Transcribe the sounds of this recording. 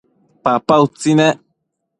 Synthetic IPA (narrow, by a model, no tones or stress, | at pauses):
papaut͡sinɛ